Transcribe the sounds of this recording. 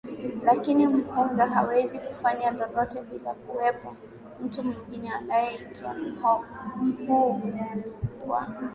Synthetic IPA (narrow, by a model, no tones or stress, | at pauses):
lakinim̩huŋɡaɦawɛzikufaɲandɔndɔtɛɓila̰kuwɛpɔ | m̩tumwiŋɡinɛanajɛitwa̰hɔm̩huvu | wa̰